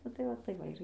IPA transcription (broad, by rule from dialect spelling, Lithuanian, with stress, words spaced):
ˈnʊ tɐɪ ˈʋɐ tɐɪ ˈʋɐ ɪr